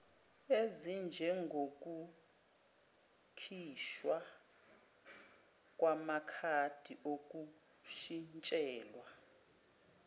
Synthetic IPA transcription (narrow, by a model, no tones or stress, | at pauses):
ezind͡ʒʱɛŋɡʱok̬ʼu | kʰiʃwa | kʼwamakʰad̥ʱiʔok̬ʼu | ʃint͡ʃʼɛːlwa